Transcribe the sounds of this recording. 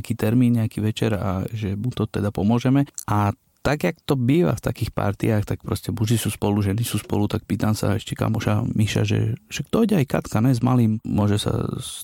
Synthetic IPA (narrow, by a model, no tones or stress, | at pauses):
kiːt̪ɛɾmiːnɲɛakiːʋɛt͡ʃɛ̰ɾa̰ʒɛmut̪ɔt̪ɛd̪apɔmʊɔʒɛmɛʔa | t̪aɡjakt̪ɔbiːʋa̰ft̪akiːxpa̰ɾt̪ḭaːxt̪ak̚pɾɔscɛbuʒisuːspɔluʒɛnisuːspɔ̰lut̪ak̚piːt̪amsa̰ɛʃcɛka̰muʃa̰miʃa̰ʒɛ̰ʒ̥ɛkt̪ɔɟɛajkat̪kanɛzmaliːmmʊɔʒɛsa̰